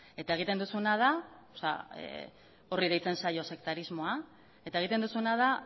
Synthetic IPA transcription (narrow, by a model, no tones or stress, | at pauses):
e̞t̪ae̞ɣ̞it̪e̞nd̪usuenað̞a | sa̰ | o̞riðejt͡se̞nsajo̞se̞kt̪aɾizmo̞a | e̞t̪ae̞ɣ̞it̪e̞nd̪usunað̞a